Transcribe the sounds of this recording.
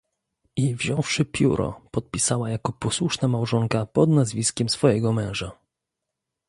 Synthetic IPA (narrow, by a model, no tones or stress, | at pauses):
ivʑɔ̃w̃fʂɘpʲjṵɾʔɔ̰pɔt̪̚pʲisawajakɔpɔswuʂnamawʐɔŋkapɔd̪nazvʲiskʲɛmsfɔjɛɡɔmɛ̃w̃ʐa